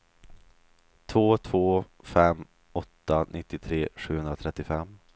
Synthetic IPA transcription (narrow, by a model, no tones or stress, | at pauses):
t̪ʰvoːt̪ʰvoː | fɛmː | ɔt̪ːanʔɪt̪ːɪt̪ʰɾeːɧʉ̟ːhɵnd̪ɾat̪ʰɾɛt̪ːɪfɛmː